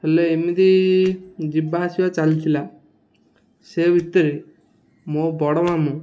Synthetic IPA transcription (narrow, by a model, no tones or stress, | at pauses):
eleemid̪i | d͡ʒibaɦasiwat͡ʃalit̪ʰila | sebʱit̪ːəɾi | mobɔɽɔmamu